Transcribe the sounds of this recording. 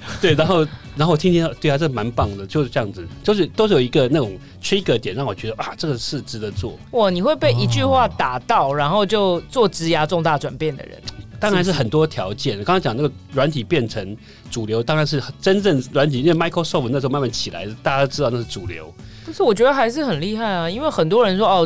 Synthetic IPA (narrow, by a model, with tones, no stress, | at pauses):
t̪we˥˩ɪɻa˧˥nxo˥˩ʊɻa˧nxo˥˩w̪ʰi˥nt̪ʰi˥˧t̪we˥˩ɪt̪ʰa˥˧ʈ͡ʂə˥˩ʂma˧˥npɑ˥˩ŋd̪ə˩t͡ɕjo˥˧ʊʂ̩˥ʈ͡ʂə˥jɑ˥˩ŋd͡zɹ̩˩t͡ɕjo˥˧ʊʂ̬ɻ̩˥˩t̪o˥ʊʂ̩˥˩jo˨˩i˧˥ɡə˧na˥˩ʈ͡ʂʊ˨˩ŋ | ʈ͡ʂʰi˥kə˧˥t̪jɛ˨˩nɻɑ˥˩ŋwɔ˨˩t͡ɕɥɛ˧˥d̪ə˧ʔa˥˩ʈ͡ʂɤ˥˩ɡə˩ʂɻ̩˥˩ʈ͡ʂɻ̩˧˥ə˧˦t͡swɔ̰˥˩wɔ˥˩ni˨˩xwe˥˧ɪpe˥˩ɪi˧t͡ɕy˥˧xwa˥˩t̪a˨˩˦t̪ɑ˥˨˩ʊɻa˧˥nxo˥˧ʊt͡ɕjo˥˧ʊt͡swɔ˥˩ʈ͡ʂɻ̩˧˥ja˥ʈ͡ʂo˥˧ŋt̪a˥˩ʈ͡ʂwa˨˩npjɛ˥˩nd̪ə̰˩ɻə̰˧˦nt̪ɑ˥ŋɻa˧˥nʂɻ̩˥˩xə˨˩nt̪wɔ˥t̪ʰjɑ˧˥ʊt͡ɕjɛ˥˩n˨˩kŋ˥˧˥t͡ɕɑ˨ŋ˦n˥˩ə˩ɻwa˧˥nt̪ʰi˨˩pjɛ˥˩nʈ͡ʂʰə˧˥ŋ | ʈ͡ʂu˨˩ljo˧˥ʊt̪ɑ˥ŋɻa˧˦nʂ̬ɻ̩˥˩xʈ͡ʂə˦nʈ͡ʂə˥˩ŋɻwa˧˥nt̪ʰi˨˩˥nwe˥˧ma˥ɪkʰo˥˧sɔ˥˩p̚ʰna˥˩ʂ̩̬˧˥˧ma˥ma˥˩nt͡ɕʰi˨˩la̰˧˥ɪt̪a˥˩ja˥d̪o˥˧˩ɻ̩˥ɑ˥˧na˥˧˩ʂ̩˥˩ʈ͡ʂu˨˩ljo̰˧˦˥ʊ | u˧˥ʂ̩˥˩wɔ˨˩t͡ɕɥɛ˧˥d̪ə˧xa˧ɪʂ̬ɻ̩˥˩xə˨˩nli˥˧xa˥˩ɪɐ˩i˥nwe˥˩xə˨˩nt̪̬wɔ˦˥ɻə˧˦nʂwɔ˥ɔ˥˩